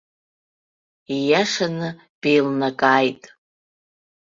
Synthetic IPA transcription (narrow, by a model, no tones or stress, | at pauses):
ijaʂanɨ | b̥e̞jlnakʼaːjtʼ